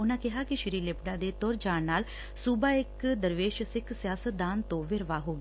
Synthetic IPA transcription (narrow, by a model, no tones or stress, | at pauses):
ʊnãːkɪɦaːkɪʃɪɾiːlɪpɖãːd̪eːt̪ɔːɾd͡ʒaːnaːl | subaːɪkd̪əɾʋeːʃsɪkʰsɪjaːsət̪̚d̪aːnt̪õːʋɪɾʋaːɦoːɡaː